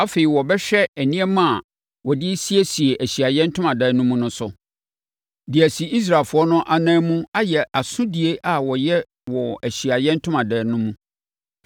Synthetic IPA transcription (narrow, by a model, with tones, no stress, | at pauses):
a˦fe˨i˨wɔ˨bɛ˦ɕᶣɛ˦æ˨nĩ˦ɛ˦mã˦a˨ | wɔ˨dɪ˦si˦e˦si˨e˨ʔæ˨ɕi˨a˨jɛ̃˦n̩˦tʰʊ̃˦mã˨dɛ˨˦nʊ̃˦mũ˦nʊ̃˦sʊ˨ | di˨æ˨si˨i˦s̬ɾa˨lfʊ˨˦ɔ˦nʊ̃˦ʔa˨nãː˦mũ˦a˦jɛ˨ʔa˨sʊ̃˦di˨e˦ʔa˨wɔ˨jɛ˦ | wɔ˨æ˨ɕi˨a˨jɛ̃˦n̩˦tʰʊ̃˦mã˨dɛ˨˦nʊ̃˦mũ˦